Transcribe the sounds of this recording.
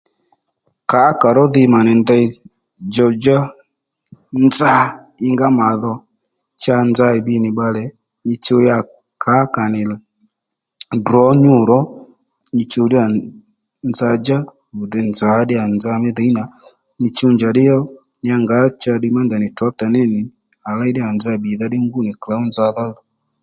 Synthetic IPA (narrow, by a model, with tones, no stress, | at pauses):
ka˨˦ka˨ɾɔ˦ðɪ˧ma˨nɪ˨nda˧i˧ | d͡ʒɔ˧d͡ʒa˦ | nd͡za˦ɪ˧ŋɡa˦ma˨ðɔ˧ | t͡ʃa˧nd͡za˧ɪ˨bi˧˦nɪ˨ɓa˧lɛ˨ | nɪ˧t͡ʃo˧˦ja˧ | kʰa˨˦ka˨nɪ˨l | dɾɔ˨˦ɲu˦˨ɾɔ˦ | ni˧t͡ʃo˧di˦a˨ | nd͡za˧d͡ʒa˦ | u˨ðɛ˧nd͡za˨˦ɗɪ˦a˨nd͡za˧mɛ˦ðɛ˨˦i˦na˨ | ni˧t͡ʃu˧nd͡ʒa˨ɗɪ˦jɔ˦ | nɪ˦a˧ŋɡa˨˦t͡ʃa˦˧ɗi˧ma˦nda˨nɪ˨ta˦p̚ta˨nɛ˦nɪ˨ | a˨la˦i˦dɪ˦a˨nd͡za˧˨bi˨ða˧dɪ˦ŋɡu˦˨nɪ˨kla˨˦u˦nd͡za˧ða˦ðɔ˨